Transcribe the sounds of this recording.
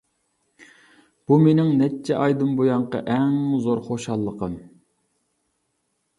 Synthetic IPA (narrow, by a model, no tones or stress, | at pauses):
b̥umenɪŋnɛt͡ʃʰːɛʔɑjd̪ɨmbojɑɴqɑ̰ʔɛŋzoɾχoʃɑlˠːəqən